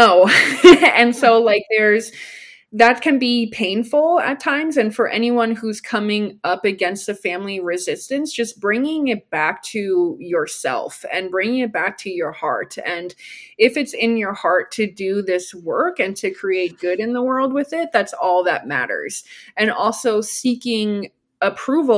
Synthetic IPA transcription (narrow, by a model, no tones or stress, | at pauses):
noʊ | ɨ̃nsoʊlaɪk̚ðə˞z | ðɨt̚kʰɨ̃nbipʰẽɪ̃nfl̩ˠətʰãɪ̃mzɨ̃nfə˞ʔɛñiwʌ̃nhuz̥kʰʌmɪ̃ŋʌpɨɡɛ̃nst̪̚ɨfæ̃mliɹɨzɪstɨ̃nsd̥ʒ̥ʌsb̥ɹɪ̃ŋɪ̃ŋɪt̚b̥æk̚tʰɨjə˞sɛ̰lˠfɨ̰̃nbɹɪ̃ŋɪ̃ŋɨt̚b̥æk̚tʰɨjə˞hɑ̰ɹtɨ̃nɪfɨtsɪ̃njə˞hɑɹtʰɨdɨðɪswɜ˞kɨ̃ntʰɨkʰɹ̥ieɪt̚ɡ̥ʊɾɨ̃nðəwɜ˞lˠd̚wɪðɪt̪̚ðætsɔlˠðə̰t̚mæ̰ɾə̰˞z̥ɨ̃nɔlˠsoʊsikɪ̃ŋ | əpʰɹ̥uv̩